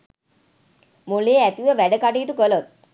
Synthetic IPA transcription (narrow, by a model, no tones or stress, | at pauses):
muleːæt̪iʋəʋæɖəkaʈiːt̪ukəlot̪̚